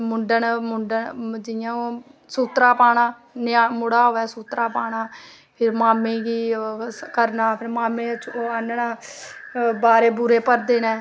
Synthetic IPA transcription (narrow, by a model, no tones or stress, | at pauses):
mʊɳɖənmʊɳɖənd͡ʒɪjãːoːsuːt̪ɾaːpaːɽãː | nɪaːmʊɽaːɦoːɛːsuːt̪ɾaːpaːɽaː | pʰɪɾmaːmẽːkiːkəɾnaːpʰɪɾmaːmẽːt͡ʃʰoːənnaː | baːɾeːbʊɾeːpəɾd̪eːnɛ̃ː